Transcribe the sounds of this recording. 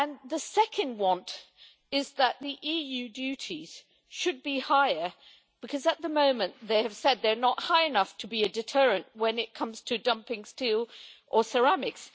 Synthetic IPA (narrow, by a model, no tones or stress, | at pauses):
ɨ̃nðɨsɛkʰɨ̃nd̚wɑ̃nt | ɪzðət̪̚ðiʔijʉdʉɾiz̥ | ʃɨd̚bihaɪə˞ | b̥ɨkʰʌzɨt̪̚ðəmõʊ̃mɨ̃nðeɪɨv̥sɛd̪̚ðə˞nət̚haɪɨnʌftʰɨbiɨdɨtʰɜ˞ɨ̃nʔwɨ̃nɨt̚kʰʌ̃mz̥tʰɨdʌ̃mpɪ̃ŋstilˠʔə˞sə˞æmɨks